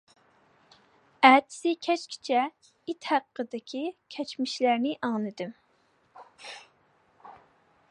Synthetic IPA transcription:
æt͡ʃʰi̥sɪkʲʰɛt͡ʃkʲʰi̥t͡ʃʰɛ | it̪hæqːəd̪ɪkʲʰikʲʰɛt͡ʃmiʃlæɾnɪʔɑŋnɨd̪ɪm

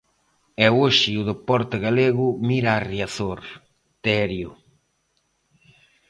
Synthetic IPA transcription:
ɛoʃɪʊðepɔɾt̪ɪɣaleɣʊmiɾaːrjaθoɾ | t̪ɛɾjʊ̰

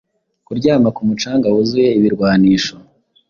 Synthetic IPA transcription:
kuɾɟaːmakumut͡ʃaːŋɡawuzuje̞iβiɾɡwaːniːʃo

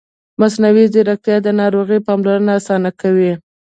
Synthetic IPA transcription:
masnawiziɾak̚t̪jɑd̪ənɑɾoɣəpɑmlaɾənaːsɑnakawi

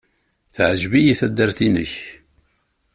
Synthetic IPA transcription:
θʕʒvijiθæd̪ːəɾθinə̰ç

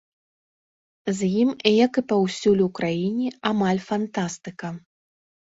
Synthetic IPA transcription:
zʲjimjɐkɨpawsʲulʲukɾajinʲiamalʲfant̪ast̪ɨkɐ

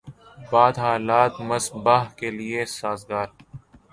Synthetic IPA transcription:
baːd̪ɦaːlaːt̪mɐsbaɦkeliesaːzɡaːɾ

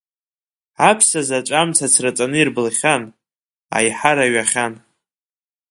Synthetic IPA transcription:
apʰsazat͡ʃʷʼamt͡sʰat͡sʰrat͡sʼanɨirbɨlχʲan | a̰jħaɾaɥaχʲan

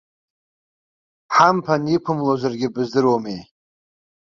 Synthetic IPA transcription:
ħampʰanipʷʰɨmlozarɡʲɪbɨzdɨrwomej

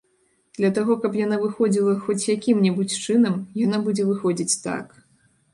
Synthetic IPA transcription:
d̪̥lʲɐt̪aɣɔkɐpjanavɨxɔd͡zʲilˠɐxɔt͡sʲjakʲimnʲɛbut͡sʲt͡ʂɨnɐmjanabud͡zʲɛvɨxɔd͡zʲit͡sʲt̪a̰k

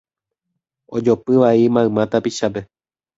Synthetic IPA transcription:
od͡ʒopɨʋaimãɨ̃mãt̪apiʃap̬e̞

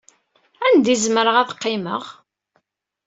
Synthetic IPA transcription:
ænd̪izməɾəʁæðəqːɪməʁ

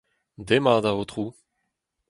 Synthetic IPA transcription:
d̪emaːd̪avot̪χuː

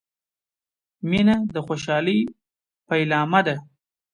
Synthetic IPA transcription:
minad̪əxoʃ̬ɑləj | paɪlɑːmad̪a

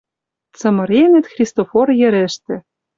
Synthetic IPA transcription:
t͡sɤ̆mɤ̆ɾenʲɘ̆t̪xrʲist̪oforjɘ̆ɾɘ̆ʃt̪ɘ̆

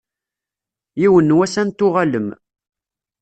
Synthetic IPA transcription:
jiwənːwæsænt̪ːʊʁaləm

